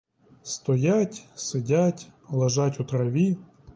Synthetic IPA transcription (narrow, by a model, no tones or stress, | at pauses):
st̪ɔjatʲsɪdʲatʲlˠɐʒɑtʲut̪ɾɐʋʲi